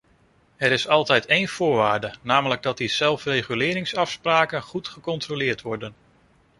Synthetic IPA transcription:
ɛɾɪsɑlˠtɛjtejnv̥ʊːɹʋaːɹdənaːmələɡ̚dɑt̚diz̥ɛlˠfrejχylɪːɾɪŋsɑfspraːkənχutχəkɔntrolɪːɹtʋɔɹdən

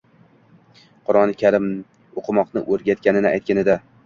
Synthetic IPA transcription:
qʰʊɾɒnɪkʲʰaɾɪm | oqʰɨmɒqnɪʔɵɾɡʲat̪̚kʲanɪnɪajt̪̚kʲanɪd̪a

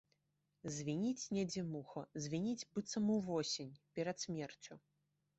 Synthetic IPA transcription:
zʲvʲinʲit͡sʲnʲɛd͡zʲɛmuxɐzʲvʲinʲid͡zʲbɨt̪sɐmuwvɔsʲinʲpʲɛɾɐt̪sʲmʲɛrt͡sʲu

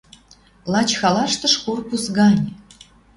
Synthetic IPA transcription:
lˠɑt͡ɕxɑlɑʃt̪ə̆ʃkurkusɡɑnʲ

